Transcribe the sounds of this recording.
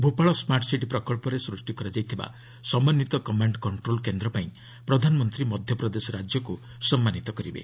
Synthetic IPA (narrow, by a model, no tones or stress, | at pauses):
bʱupaɭɔsmaʈsiʈipɾɔkɔɭpɔɾesɾusʈikɔɾad͡ʒajt̪ʰiba̰ | sɔmanjit̪ɔkɔmaɳɖkɔɳʈɾolkend̪ɾɔpaĩ | pɾɔd̪ʱanɔmɔnt̪ɾimɔd̪ʱjɔpɾɔd̪esɔɾad͡ʒjɔku | sɔmːanit̪ɔkɔɾibḛ